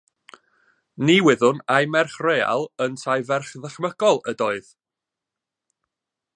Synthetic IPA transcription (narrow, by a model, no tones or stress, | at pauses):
niwɪðʊnajmɛrχreːa̰lˠəntʰajvɛrχðəχməɡ̥ɔlˠədɔɨð